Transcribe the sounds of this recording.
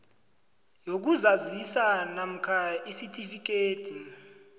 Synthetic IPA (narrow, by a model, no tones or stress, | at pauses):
jok̬uzazisanam̩kʰaisitʰʼifik̬eːtʰi